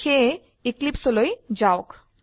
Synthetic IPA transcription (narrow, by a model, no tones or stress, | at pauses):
kʰe | iklipsolojd͡ʑaok